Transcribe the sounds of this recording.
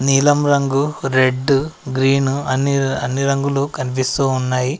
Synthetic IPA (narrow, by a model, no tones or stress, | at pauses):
niːlɐmɾɐŋɡuɾeɖːɡɾiːnuɐnːiɐnːiɾɐŋɡulukɐnip̬ist̪uːnːaːji